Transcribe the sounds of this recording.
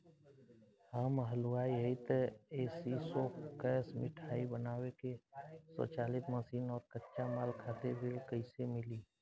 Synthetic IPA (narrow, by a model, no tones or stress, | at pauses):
aːmɦəluaːiɦəit̪esisokɛːsmɪʈʰaːibənaːwekesɔ̰ːt͡ʃaːlɪt̪məsiːnɔːɾkətːʃamaːlkʰaːt̪ebʱɪlkəɪsemɪliː